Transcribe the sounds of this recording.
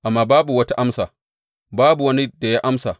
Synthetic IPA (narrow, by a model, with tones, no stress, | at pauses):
ʔa˨mːaː˨baː˦bu˨wɐ˦ta˦ʔa˦msaː˨ | baː˦bu˨wɐ˦ni˦da˨ja˦ʔa˦msa˨